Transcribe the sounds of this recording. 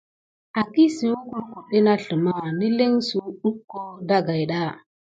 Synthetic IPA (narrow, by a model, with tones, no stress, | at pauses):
a˨ki˦si˨wu˦ku˨ɾku˨ɗe˦na˦ɬə˨ma˦ni˦le˦ŋsu˨ɗu˦kːo˦da˦ɡa˨jɗa˦˨